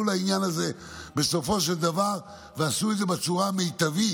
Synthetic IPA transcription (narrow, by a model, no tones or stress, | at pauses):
ulainjanaze̞ | be̞so̞fo̞ʃeld̪avaʁ | veasued̪zebet͡suʁamejt̪avi